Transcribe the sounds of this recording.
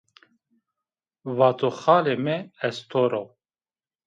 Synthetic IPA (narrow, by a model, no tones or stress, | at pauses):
vaːt̪ʰoxaːlemɛɛst̪ʰoɾo